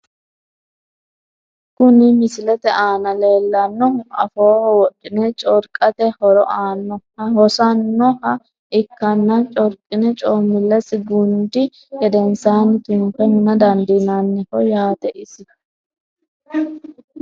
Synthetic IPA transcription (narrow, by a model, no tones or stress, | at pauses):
kʊnɪmɪsɪlɛt̪ɛaːnɐle̞ːlːɐnːɔɐfoːhɔwɔɗɪnɛt͡ʃʼɔɾkʼɐt̪ɛhɔɾɔʔaːnːɔhɐhɔsɐnːɔhɐ | ɪkːɐnːɐt͡ʃʼɔɾkʼɪnɛt͡ʃʼoːmːɪlːɛsɪɡʊnd̪ɪ | ɡɛd̪ɛnsaːnɪt̪ʊmkːɛhʊnɐd̪ɐnd̪inanːɛhɔjaːt̪ɛʔɪsɪ